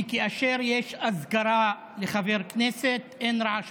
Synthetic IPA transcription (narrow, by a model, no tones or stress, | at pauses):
keaʃeɾjeʃazɡaɾa | leχaveʁkneset̪ʔenɾaʕaʃ